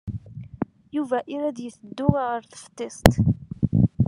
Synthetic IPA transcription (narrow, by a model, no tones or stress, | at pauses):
juvæʔiɾæd̪jəθəd̪ːʊʁʁəɾθə̥ft̪ˤːɪsˤt̪